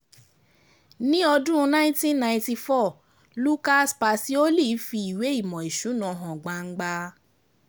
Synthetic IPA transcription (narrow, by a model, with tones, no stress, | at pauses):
nĩ˦ɔ˧dũ˦˧nã˦ĩ˦tĩ˦nnã˧ĩ˧ti˧fɔ˦˨ | lu˦ka˦spa˧si˦o˦li˦˨˦fi˧i˨we˨˦i˦˨mɔ̃˨i˨ʃu˨˦nɔ̃˧˨˧ɦɔ̃˨ɡ͡ba˧ŋ̩˦ɡ͡ba˧